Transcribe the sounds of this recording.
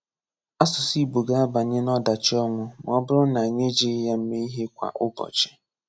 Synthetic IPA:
a˦sʊ˨si˦bo˨ɡa˦a˦ba˨ɲe˦nɔ˦da˨t͡ʃɪ˦ɔ˦ŋʷʊ˦m˨ɔ˦bʊ˦ɾʊ˦na˨ɲe˦d͡ʒi˦ja˦m̩˦me˦i˦ɦe˦kʷa̰˨ʔʊ˦bɔ̰˨t͡ʃɪ̥˦

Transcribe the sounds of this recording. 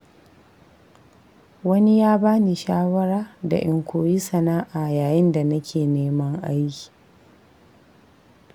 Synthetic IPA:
wɐ˦ni˦jaː˦baː˦ni˨ʃaː˦wɐ˦ɾaː˦da̰˨ʔɪ˨˦ŋkʷoː˨ji˦sɐ˨naː˦ʔa˨jaː˨jɪ˦nda˨nɐ˦kʲʰeː˨neː˦mɐ˦ŋʔa˦jkʲi̥˨

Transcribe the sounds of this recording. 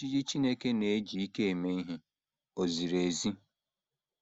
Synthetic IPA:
i˦d͡ʒi˦t͡ʃi˦ne˦ke˦ne˨e˦d͡ʒi˨i˦ke˦e˨me˦i˦ɦɪ˦ | o˨zi˨ɾe˨zi˦

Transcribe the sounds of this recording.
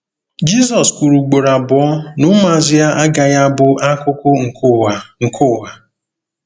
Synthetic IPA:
d͡ʒi˦zɔ˨skʷu˨ɾu˨ɡ͡bo˨ɾa˨bɔ˨ɔ˦nʊ˦ma˨zɪ˦ja˦ʔa˦ɡa˨ja˦bʊ˦ʔa˦kʊ˦kʊ˦ŋ̩˨ka˨ŋ̩˨kʰʊ˦ɦa˨

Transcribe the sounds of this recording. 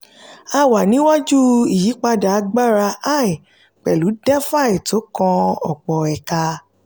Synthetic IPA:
a˧wa˨nĩ˨˦wa˦d͡ʒu˦i˨ji˨˦k͡pa˧da˨a˨˧ɡ͡ba˦ɾa˧a˦˨i˨ | k͡pɛ˨lu˨˦dɛ˦fa˦˨i˨to˨˦kɔ̃˧ɔ˨k͡pɔ˨ɛ˨ka˧

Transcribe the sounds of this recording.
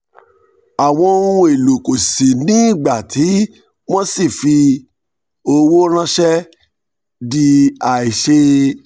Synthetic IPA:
a˨w̃ɔ̃˧o˧ɾũ˧e˨lo˨ko˨si˨nĩ˦˨ɡ͡ba˨tʰi˨˦ | wɔ̃˦si˦˨fi˧ | o˧wo˦ɾ̃ã˦ʃɛ˦ | di˧a˨i˨ʃe˧˦

